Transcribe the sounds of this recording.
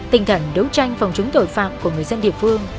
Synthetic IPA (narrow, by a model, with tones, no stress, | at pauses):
t̪ï˨˩ŋ̟t̪ʰə˧˩nɗə˨˦wt͡ɕa˧jŋ̟fa˨˩wŋ͡mt͡ɕʊ˨˦ŋ͡mt̪o˧˩jfa̰ː˧˨mku˧˩əŋɨ˨˩əjzə˧nɗḭ˧˨əfɨ˧əŋ